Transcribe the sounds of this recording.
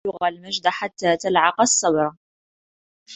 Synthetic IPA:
ʊɣalməʒd̪aħat̪ːæt̪əlʕɑqɑsˤːɑbɾˤɑ

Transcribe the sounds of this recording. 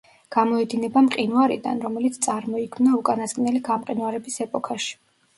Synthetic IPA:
ɡ̥amɔɛd̪inɛbamqʼinwaɾḭd̪a̰nɾɔmɛlit̪sʰt̪sʼaɾmɔikʰmnaukʼanasɡʼnɛliɡamqʼinwaɾɛbisɛpʼɔkʼʰaʃi̥

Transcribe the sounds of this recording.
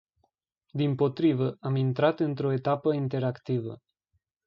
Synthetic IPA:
d̪impo̞t̪ɾivəamint̪ɾat̪ɨnt̪ɾo̞e̞t̪apəint̪e̞ɾakt̪ivə̰

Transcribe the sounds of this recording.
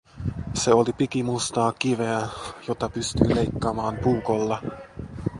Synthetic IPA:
se̞olipikimust̪ɑːkiʋeæjo̞t̪ɑpyst̪yːle̞jkːɑːmɑːmpuːkolːɑ

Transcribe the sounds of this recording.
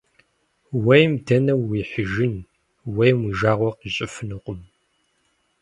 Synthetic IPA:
wejmdʰɐnɐwːiːħəʒɪn | wejmwiːʒaːʁʷɔqiɕʼɪfɨnɨqʷʼʊm

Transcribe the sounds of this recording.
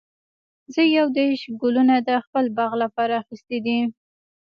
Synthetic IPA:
zəjawd̪eɾʃɡʊlunad̪əxpəlbɑɣlapɑɾaːxist̪id̪i

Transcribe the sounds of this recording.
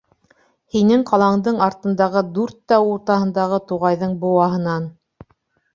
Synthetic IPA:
hinɘŋqɑlˠɑɴd̪ɤɴɑɾt̪ɤ̆nd̪ɑʁɤd̪ʉɾt̪ːæwuɾt̪ɑhɤ̆nd̪ɑʁɤt̪uʁɑjðɤɴbŏwɑɦɤ̆nɑn

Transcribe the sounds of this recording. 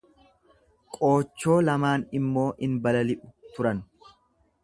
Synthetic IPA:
kʼo̞ːt͡ʃːo̞ːlɐmaːnɪmːo̞ːʔɪnbɐlɐlɪʔʊ̥t̪ʊɾɐn

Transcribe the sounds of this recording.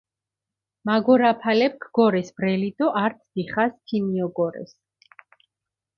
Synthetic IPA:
maɡɔɾapʰalɛp̚kʰɡɔɾɛsbɾɛlid̪ɔʔaɾt̪sʰd̪̥iχast̪ʰiniɔɡɔɾɛ̰s

